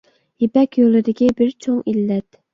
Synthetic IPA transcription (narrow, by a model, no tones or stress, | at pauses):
jepɛkʲjolˠɪd̪ɪkʲibɪɾt͡ʃʰoŋilːɛt̪